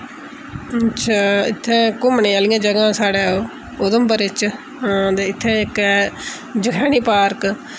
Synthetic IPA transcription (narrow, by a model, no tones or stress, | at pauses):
ətːʃʰaːɪ̰t̪ʰːẽːkʊmnẽːaːlijãːd͡ʒəɡãːsaːɽeːoː | od̪əmbəɾɪt͡ʃː | d̪eɪt̪ʰːẽɪkɛ | d͡ʒəkʰɛːniːpaːɾk